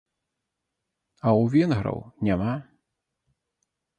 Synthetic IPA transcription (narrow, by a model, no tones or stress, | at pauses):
ɐwvʲɛnɣɾɐ̰wnʲama